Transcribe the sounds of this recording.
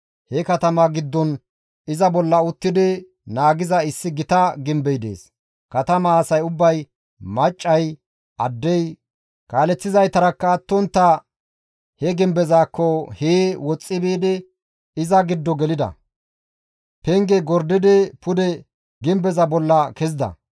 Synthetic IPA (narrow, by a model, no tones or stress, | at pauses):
hɛkɐt̪ɐmaɡɪd̪ːɔn | ɪzɐbɔlːɐʊt̪ːɪd̪ɪ | naːɡɪzɐɪsːɪɡɪt̪ɐɡɪmbɛjd̪ḛːs | kɐt̪ɐmaːsɐjʊbːɐj | mɐt͡ʃʼːɐj | ʔɐd̪ːɛj | kaːlɛt͡sːɪzɐjt̪ɐɾɐkːɐːt̪ːɔnt̪ːɐ | hɛɡɪmbɛzaːkːɔheːwɔt͡sʼːɪbeːd̪ɛ | ɪzɐɡɪd̪ːɔɡɛlɪd̪ɐ̰ | pɛŋɡɛɡɔɾd̪ɪd̪ɛpʊd̪ɛ | ɡɪmbɛzɐbɔlːɐkɛzɪd̪ɐ̰